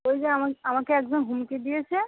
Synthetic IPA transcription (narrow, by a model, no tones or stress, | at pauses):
ojd͡ʑeamaamakeɛkd͡ʑɔmɦumked̪ijet͡ɕʰe